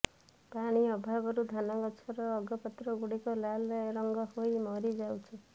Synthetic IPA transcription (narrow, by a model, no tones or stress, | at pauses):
paɽ̃iɔbʱabɔɾud̪ʱanɔɡɔt͡ʃʰɔɾɔːɡɔpɔt̪ɾɔɡuɽikɔlalɔɾɔŋɡɔhojmɔɾid͡ʒawt͡ʃʰɔ